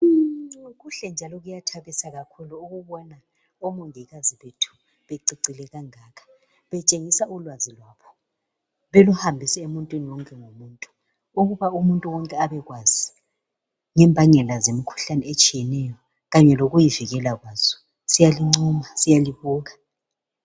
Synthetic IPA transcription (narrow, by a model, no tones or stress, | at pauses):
ɣuɬɛnd͡ʒʱalɔɣujatʰaβisaɣakʰuluuɣuβɔna | ɔmoŋiɣaziβetʰu̥ | βeǀiǀilɛɣaŋaːkʰḁ | βɛt͡ʃʼeŋisaulwazilwaːpʰɔ̥ | βeluhambʱisɛemuntʼwiniwɔŋkʼɛŋomuːntʼu̥ | uɣuβaumuntʼuwɔŋkʼɛaβɛɣwazi | ŋɛmbʱaɲɛlazemikʰu̥ɬanɛɛt͡ʃʼijɛnɛjɔ | ɣaɲɛloɣujiviɣɛlaɣwaːz̥ɔ̥ | sijaliŋ͡ǀuːmasijaliβɔːɣa